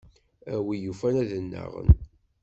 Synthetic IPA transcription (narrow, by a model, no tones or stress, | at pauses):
æwijufænæðənːə̰ʁə̰n